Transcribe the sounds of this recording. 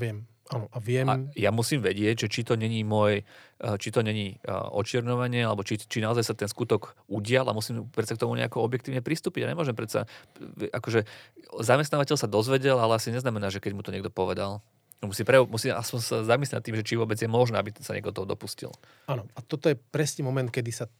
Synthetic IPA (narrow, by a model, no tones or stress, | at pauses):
ʋɪɛm | anɔʔaʋɪɛma̰jamusiːmʋɛɟɪɛɟʒɛt͡ʃit̪ɔɲɛɲimɔjt͡ʃit̪ɔɲɛɲiɔ̰t͡ʃɪɛɾɲɔʋaɲɪɛalɛbɔt͡ʃit͡ʃinaɔzajsat̪ɛnskut̪ɔɡuɟɪala̰musiːmpɾɛt̪sakt̪ɔmuɲɛ̰akɔɔbjɛk̚t̪iːʊɲɛpɾist̪uːpiɟaɲɛmʊɔʒɛmpɾɛt̪sa̰ʔakɔʒɛzamɛst̪naːʋacɛʎsad̪ɔzʋɛɟɛlalɛasiɲɛznamɛnaːʒɛkɛɟmut̪ɔɲɛɡ̚d̪ɔpɔʋɛd̪al | musiːmpɾɛumusiːma̰spɔnsazamis̬lɛna̰t̪ːiːmʒɛt͡ʃiʋʊɔbɛd͡zjɛmɔʒnɛːabisaɲɛ̰ɛɡd̪ɔt̪ɔɦɔd̪ɔ̰puscḭl | anɔat̪ɔt̪ɔjɛpɾɛsɲɛmɔmɛnt̪̚kɛd̪isa